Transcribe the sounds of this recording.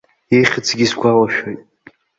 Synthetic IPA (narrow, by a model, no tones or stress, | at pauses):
ejχʲət͡sʰɡʲisɡʷalaʃᶣojtʼ